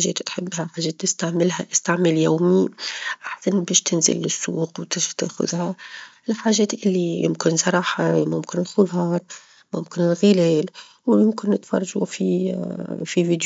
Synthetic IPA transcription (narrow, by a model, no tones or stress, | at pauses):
aʒḛːt̪t̪ħɪbːhaħaːʒːeːt̪ːɪst̪aʕmɪlɦaʔɪst̪aʕmɪljoːmiʔaħsanbeːʃt̪ɪnzɪ̰lːɪsːuːqwt̪ɪʃt̪ḛːxʊ̰ðha | lħaːʒeːt̪ʔɪlːijɪ̰mkɪnsˤɑɾˤɑːħamʊmkɪnɪlxʊðɑːɾˤ | mʊmkɪnɪlɣɪleːl | wjɪmkɪnːɪt̪fɑ̰rˤːɑʒufi | fiviːd̪